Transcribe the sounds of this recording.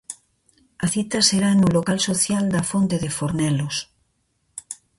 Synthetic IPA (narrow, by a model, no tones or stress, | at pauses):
aθit̪aseɾaenulokalsoθjald̪afont̪eðefoɾnɛlos